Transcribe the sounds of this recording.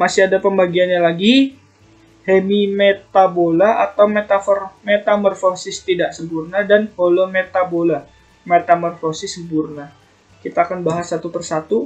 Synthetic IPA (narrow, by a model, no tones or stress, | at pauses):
masiadapəmbaɡianɲalaɡi | hemimet̪abolaat̪awmet̪afɔrmet̪amərfosɪst̪idaʔsəmpurnadanholomet̪abola | met̪amɔrfosɪsːəmpurna | kit̪aːkanbaɦasːat̪upərsat̪u